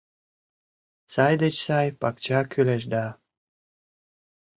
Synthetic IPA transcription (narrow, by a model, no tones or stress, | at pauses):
sɑjd̪et͡ɕsɑjpɑkt͡ɕɑkyleʃd̪ɑ